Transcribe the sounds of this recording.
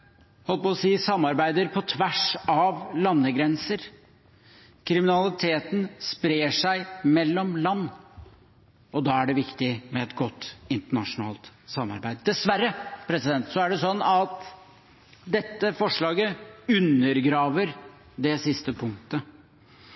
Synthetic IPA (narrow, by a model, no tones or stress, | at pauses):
hɔlpɔsiːsɑmːɑɾbæɪd̪əɾpʰɔt̪ʰʋæʂɑʋlɑnːəɡɾɛnsəɾ | kʰɾɪmɪnɑlɪt̪ʰeːt̪n̩spɾeːʂæɪmɛlːɔmlɑnː | ɔd̪ɑːæɖɛʋɪkt̪ɪmɛɛt̪ɡɔt̪ːɪnt̪əɳɑʂʊnɑ̰ːlt̪sɑmːɑ̰ɾbæɪd̪d̪ɛsʋæɾːəpʰɾɛsɪd̪ɛnt̪sɔæɖɛsɔnːɑt̪ | d̪ɛt̪ːəfɔʂɭɑːɡəʉnːəɾɡɾɑːʋəɾ | d̪ɛsɪst̪əpʰʊŋkt̪ə